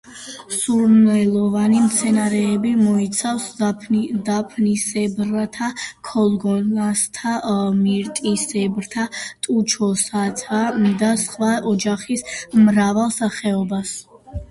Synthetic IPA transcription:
suɾnɛlˠɔvanimt̪sʰɛnaɾɛːbimɔit̪sʰafs | d̪apʰnisɛbɾat̪ʰakʰɔlˠɡɔnast̪ʰamiɾt̪ʼisɛbɾt̪ʰat̪ʼut͡ʃʰɔsat̪ʰad̪asχwaɔd͡ʒaχismɾavalˠsaχɛɔbas

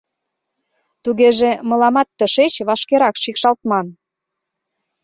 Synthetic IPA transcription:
t̪uɣeʒemɤ̆lɑmɑt̪ːəʃet͡ɕβɑʃkeɾɑkʃikʃɑlt̪mɑn

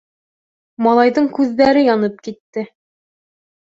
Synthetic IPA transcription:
mɑlˠɑjðɤɴkʉðːæɾɘjɒnɤp̚kit̪ːɘ

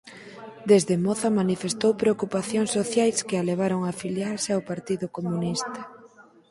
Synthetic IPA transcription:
d̪ezðemɔθɐmanifest̪owpɾeokupaθjoŋsːoθjajskɪaleβ̞aɾoŋaːfiljaɾseaʊpaɾt̪iðʊkomunist̪ɐ

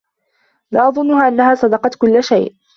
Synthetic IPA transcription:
laːʔɑðˤʊnːʊhaːʔanːahaːsˤɑd̪ɑqɑt̪kʊlːʃajʔ

